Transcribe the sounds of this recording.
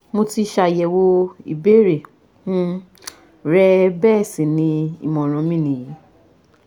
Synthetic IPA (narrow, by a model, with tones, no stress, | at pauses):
mo˧ti˧ʃa˧˨jɛ˨wo˧ḭ˨be˦ɾe˨ | fũ˦ | ɾɛ˦bɛ˦˨sĩ˨nĩ˧ḭ˨mɔ̃˨ɾ̃ɔ̃˨˦mĩ˦˨nĩ˨ji˨˦